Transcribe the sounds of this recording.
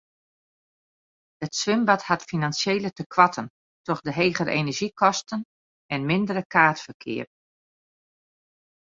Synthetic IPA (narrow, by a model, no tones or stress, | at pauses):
ətsʋɪmbathatfinansjeːlətəkʰʋatʰən | tɔχdəɦeːɣəɾʔḛnəɹʒikʰɔstən | ɛnmɪndəɾəkʰaːtfərkʰɪ̰ːər